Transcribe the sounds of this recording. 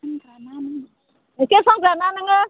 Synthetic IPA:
ɔnɡananɪŋ | ekesɔɡananɪŋa

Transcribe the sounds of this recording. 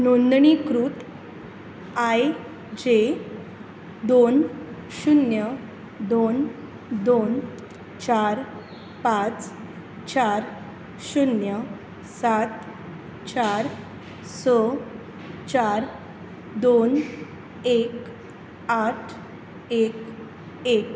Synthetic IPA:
nond̪ɳikɾut̪ | aj | d͡ʑe | d̪on | ɕunjə | d̪on | d̪on | t͡ɕaɾ | pat͡s | t͡ɕaɾ | ɕunjə | sat̪ | t͡ɕaɾ | sə | t͡ɕaɾ | d̪on | ek | aʈʰ | ek | ek

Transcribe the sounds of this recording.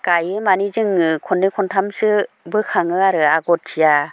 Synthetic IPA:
kajɯmanizɯŋɯkʰɔndiŋkʰɔntʰamsɯ | bɯkʰaŋɯaɾɯaɡɔt̚tʰːija

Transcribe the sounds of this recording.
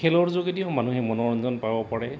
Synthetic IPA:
kʰɛlɔɹzoɡitijɔmanuɦɛmɔnɔɹɔnzɔnpabɔpaɹɛ

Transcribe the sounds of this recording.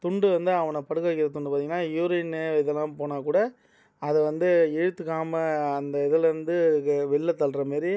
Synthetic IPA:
t̪ʊɳɖɯʋɐnd̪ɯɐʋɐnɐpɐɽɯkːɐʋɛɪkːɪɾɐt̪ʊɳɖɯpaɾt̪iŋɡɐnːaːjuːɾɐnɯɪðɛlːãːpoːnaːkuːɽɐ | ɐðɯʋɐnd̪ɯɛɻɯt̪ːɯkːaːmɐɐnd̪ɐɪðɐlɪɾɯnd̪ɯkːɯʋɪɭːɐt̪ːɐlɾɐmeːɾi

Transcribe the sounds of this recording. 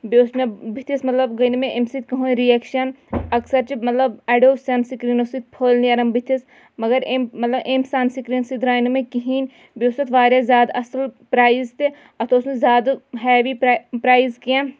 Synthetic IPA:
bewsmebit̪ʰismɐt̪lɐbɡɐjnumẽʔemsit̪kɐɦoɾiɛkʃɐn | ɐksɐɾt͡ʃimɐt̪lɐbɛːɖoːsɐnsikɾinosit̪̚pʰoːlniɐɾɐmbʱit̪ʰis | mɐɡɐɾemmːɐt̪lɐbʔemsaːnsikɾinsid̪ɾaːinumẽkiɦiːn | bewst̪ɐt̪ʋaːɾjazʲjaːd̪ɐslpɾaːizt̪e | ɐt̪ʰoːsmezʲaːd̪ɦɛːʋipɾaːizkijã

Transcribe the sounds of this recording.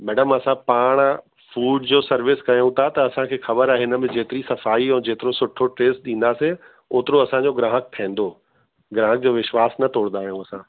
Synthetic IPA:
mɛːɖəmɐsãpaːɽ̃ | fuːɖd͡ʑoːsɐɾʋɪskɐjũt̪ʰat̪ɐɐsãkʰeːxɐbəɾaːɦɪnə̆mɪ̃d͡ʑeːt̪ɪɾisɐfaːiɛ̃ːd͡ʑeːt̪ɪɾosʊʈʰoʈɾeːsɗĩːn̆d̪aːse | oːt̪ɪɾoɐsãːɲd͡ʑoɡɾãːɦək̚t̪ʰɛ̃ːn̆d̪o | ɡɾãːɦək̚d͡ʑoːʋɪʃʋaːsnɐt̪oːɽnd̪aːɦijũɐsãː

